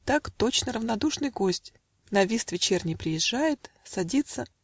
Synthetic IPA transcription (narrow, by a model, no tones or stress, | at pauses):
t̪akt̪o̞t͡ɕnəɾəvnɐd̪uʂnɨjɡo̞sʲtʲ | nɐvʲist̪vʲɪt͡ɕernʲɪjpɾʲɪjɪʐːajɪt̪ | sɐdʲit̪sə